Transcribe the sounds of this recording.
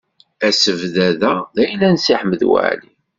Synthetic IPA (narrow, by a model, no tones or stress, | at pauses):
æsəvðæðæðæjəlːænsiħəməðwæ̰ʕli